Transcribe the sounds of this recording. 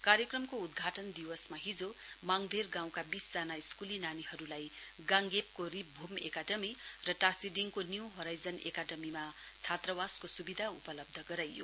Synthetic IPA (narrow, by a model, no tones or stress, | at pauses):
kaɾjʌkrʌmkoud̪ɡʱaʈʌnd̪iwʌsmaɦid͡zo | maŋd̪ʱerɡãw̃kabisd͡zanaiskulinaniɦʌɾulaj | ɡãŋɡep̚korip̚bʱumḛkaɖʌmirʌʈasiɖiŋkonjuwɦoɾajd͡zʌnḛkaɖʌmima | t͡sʰat̪rʌwaskosubid̪ʱaupʌlʌb̚d̪ʱʌɡʌɾajːo